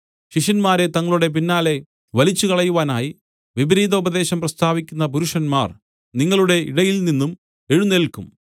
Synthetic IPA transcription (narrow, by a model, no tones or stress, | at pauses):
ɕiʂɐnmaːɾe̞t̪ɐŋːɐɭuɽe̞p̬inːaːle̞ | ʋɐlit͡ɕːukɐɭɐjuʋaːnaːji | ʋibɐɾiːd̪ɐubɐd̪e̞ːɕɐmprɐst̪ʰaːʋikʲːunːɐp̬uɾuʂɐnmaːr | niŋːɐɭuɽe̞iɽɐjilninːum | e̞ɻunːelkːum